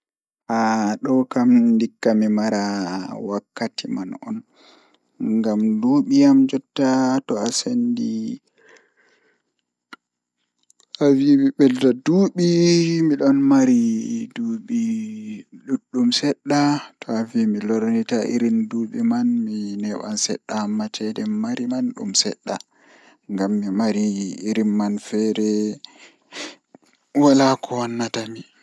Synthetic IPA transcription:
haɗɔkamndikːamimaɾawakːatimanɔn | ŋŋɡamduɓijamd͡ʒɔtːatɔasendi | ʔavimiɓɛltaduːɓimiɗɔnmaɾiduːɓi | ɗuɗːumsɛɗːatʰɔavimilɔɾnitaʔḭɾinduɓimanminɛɓa̰nsɛ̰ɗːamːat͡ʃɛdɛmaɾimanɗṵmsɛ̰ɗːa̰ | ŋɡamːimaɾiiɾinmanfɛɾɛ | walakʰɔwanːatami

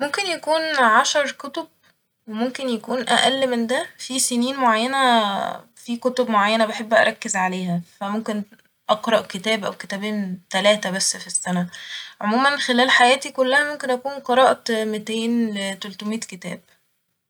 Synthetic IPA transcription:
momkenjækuːnʕaʃɑɾˤkot̪ob̚ | wemomkenjækuːnʔæʔælːmend̪æfiseniːnmoʕajːænæ | fikot̪obmoʕajːænæbeħebːʔæ̰ɾˤɑkːezʕaleːhæfæmomken | ʔɑqɾˤɑʔket̪æːbʔæ̰wket̪æːbeːnt̪ælæːt̪æbæsːfisːænæʕomuːmænxelæːlħajæːt̪ikolːæhæmomkenʔækuːnqɑɾˤɑːʔmet̪eːnlet̪ælt̪omiːt̪ket̪æ̰ːb̥̚

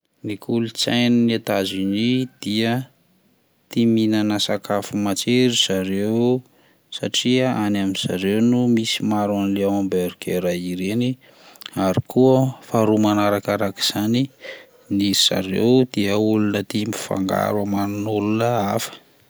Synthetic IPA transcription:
nikʰulut͡sajninat̪azinid̪̥iə | t̪iminanasakafumat͡ʃeɾiz̥aɾew | sa̰ʈ͡ʂiaanaminz̥a̰ɾewnumisimaɾanleawambeɾikʰeɾaiɾeni | aɾikuəfaɾumanaɾakaɾaki̥z̥ani | niiz̥a̰ɾḛwd̪iəulunət̪imi̥fa̰ŋɡa̰ɾwamanunulunəafə̥

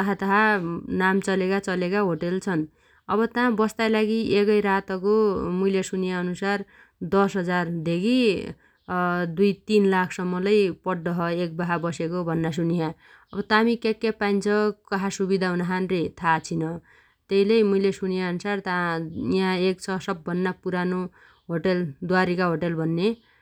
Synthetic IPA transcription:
t̪ʌɦat̪ʌɦanamt͡sʌlekat͡sʌlekaɦoʈelt͡sʰʌn | ʌbʌt̪ãbʌst̪ajlaɡiʔekʌjɾat̪ʌkomujlesunijaʌnusar | d̪ʌsɦʌd͡zard̪ʱeɡi | d̪ujt̪inlakʰsʌmːʌlʌjpʌɖːʌɦʌek̚baɦabʌsekobʱʌnːas̬uniɦã | ʌbʌt̪amikekːepajnt͡sʰʌkʌɦasubid̪ʱaɦunaɦanret̪ʰat͡sʰinʌ | t̪eɦilejmuilesunjaʌnusart̪aiɦãek̚t͡sʰʌsʌbːʱʌnːapuɾano | ɦoʈeld̪waɾikaɦoʈelbʱʌnːe

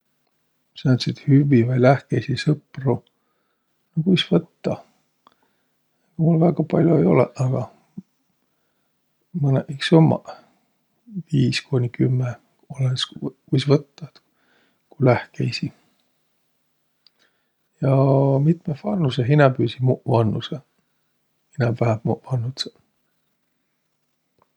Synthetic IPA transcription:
sent̪sit̪hyvivɑjlæhkejsisɤpru | nokujsvɤt̪ːɑ | mulvæɡ̥ɑpɑlʲjoejo̞̰lḛɑɡ̥ɑ | mɤneʔiksomːɑ̰ | viːskonʲikymːe | olenskujsvɤt̪ːɑt̪ | kulæhkejsi | jɑmit̪mefɑrnːuseɦinɑpyːsimuʔvɑnːuse | hinæmvæhæmuʔvɑnːut̪se

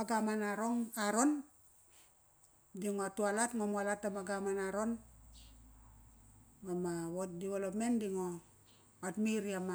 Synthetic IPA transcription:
aɡamanaɾoŋaɾon | diŋoatualatŋomualatːamaɡamanaɾon | mamawot̚diβelopmendiŋo | atmiɾiama

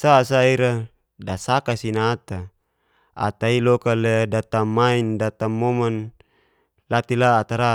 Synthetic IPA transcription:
sasaiɾa | dasakasinaːt̪a | a̰t̪ailɔkaledat̪amaindat̪amoman | lat̪ilaːt̪aɾa

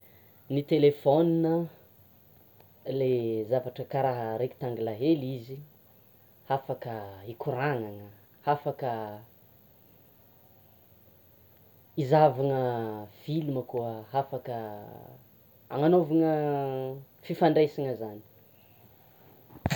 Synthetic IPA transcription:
nit̪elefɔninə | lezavaʈ͡ʂəkaɾaɦəɾeki̥t̪aŋɡlaɦelizi | hafakəikuɾaŋaŋə | hafakə | izavaŋəfiluməkuəɦafakə | a̰ŋanovaŋə | fifaɳɖ͡ʐesaŋəzani̥

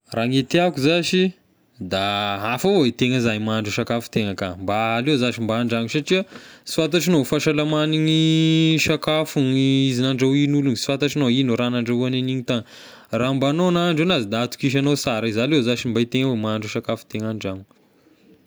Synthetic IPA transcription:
raŋet̪eakuzaʃi | d̪aafaet̪eŋəzajmaɳɖ͡ʐuʃakafu̥t̪eŋəkambaːlewzaʃimbaːɳɖ͡ʐaŋusaʈ͡ʂiəsi̥fant̪̬aʈ͡ʂinofaʃalamaniŋiʃakafunizinaɳɖ͡ʐawinulunsi̥fant̪aʈ͡ʂinowinoɾanaɳɖ͡ʐaɦuaneniɲit̪aŋ | rambanonaɳɖ͡ʐenazid̪aat̪u̥kiʃ̬anosaɾaizalezaʃimbait̪eŋəwemaɳɖ͡ʐuʃakafu̥t̪eŋaɳɖ͡ʐaɲu̥

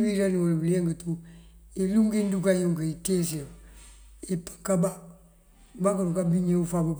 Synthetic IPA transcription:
biɾaniwolbileŋɡətuiluŋkindukajuŋkəitesi | ipḁkaba | bakaɾukabiɲeufabap

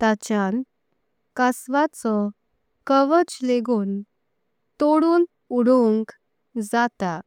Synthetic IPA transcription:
t̪at͡ɕjan | kasʋat͡sɔ | kəʋət͡ɕleɡuːn | t̪oɽuːn | uɽuŋk | d͡zat̪a

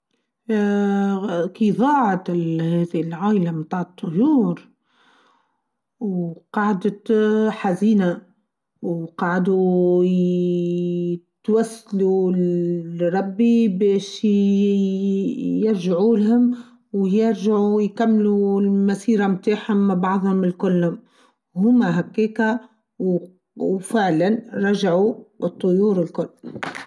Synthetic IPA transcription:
kiðˤɑːʕt̪hɛːðilʕaːʔlamnt̪ˤɑːʕt̪ˤːʊjuːɾ | wqɑʕd̪ət̪ħaziːna | wqɑʕd̪u | t̪wæsːlu | ɾˤɑbːibeːʃ | jɪɾʒaʕuːlɦʊm | wjɪɾʒaʕujkamːlulmasiːɾamt̪aːħhʊmːabɑʕðˤhʊmɪlkʊlːhʊm | whʊmːaɦakːeːka | w | wfɪʕlanɾˤɑʒaʕuɨt̪ˤːʊjuːɾɪlkʊlː

